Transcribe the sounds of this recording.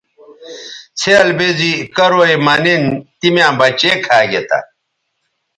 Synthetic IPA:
t͡sʰeːlbezikɐɾoimɐnint̪imjãːbɐt͡ɕekʰaːɡet̪a̰

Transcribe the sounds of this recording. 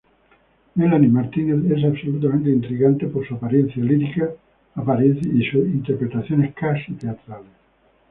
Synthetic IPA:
melanimaɾt̪ineθes̬absolut̪̬amẽnt̪̬eint̪ɾiɣant̪epoɾsuapaɾjenθjaliɾikaː | paɾjeθisuint̪eɾpɾet̪aθjoneskasit̪eat̪ɾales

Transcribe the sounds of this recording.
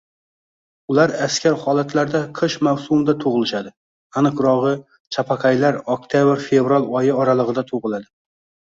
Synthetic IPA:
ʊlaɾaskʲʰaɾhɒlˠat̪laɾd̪aqʰɨʃmawsʊmd̪at̪ʰoʁɨlˠɪʃad̪ɪ | anɨqɾɒʁɨ | t͡ʃʰapʰaqʰajlaɾok̚t̪ʰjabɾfevɾalˠɒjɪɒɾalˠəʁɨd̪at̪ʰoʁɨlˠad̪ɪ

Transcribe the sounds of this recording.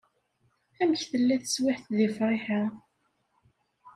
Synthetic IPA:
æməçθəlːæθə̥swɪħθðifɾˤiħə

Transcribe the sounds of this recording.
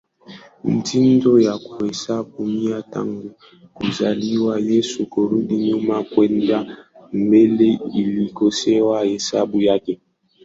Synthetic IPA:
n̩tʰindojakwesabumiata̰ŋɡu | kuzaliwajesukoɾudiɲumakwɛndam̩beleilikosɛwahesa̰bujake

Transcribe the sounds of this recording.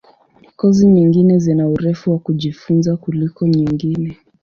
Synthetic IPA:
kɔziɲiŋɡinɛzɛnauɾɛfuwakuʄifunzakulikɔɲiŋɡinɛ

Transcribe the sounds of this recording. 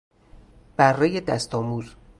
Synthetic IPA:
b̥ærːejed̪æst̪ʰɒːmuːz

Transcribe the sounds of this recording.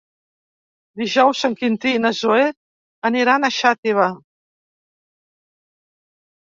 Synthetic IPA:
d̪iʒawsaŋkint̪inazoe | əniɾanaʃat̪eβa

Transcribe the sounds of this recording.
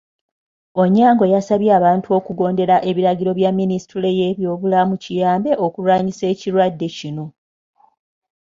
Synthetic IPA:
oɲːaːŋɡo̞jasaβjeaβaːntuo̞kuɡo̞ːnde̞ɾaʔe̞βiɾaɟiɾo̞βjamːinistule̞je̞βjo̞ːβulamucijaːmbe̞ʔokulwaːɲise̞ːciɾwadːe̞cino̞

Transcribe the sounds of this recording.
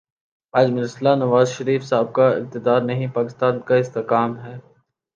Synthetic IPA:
aːd͡ʒmɪɾɪslanɐʋaːzʃɐɾiːfsaːb̚kaɪ̰q̚t̪ɪd̪aːɾnɐɦĩpaːkɪst̪aːnkaɪst̪ekaːmɦɛː

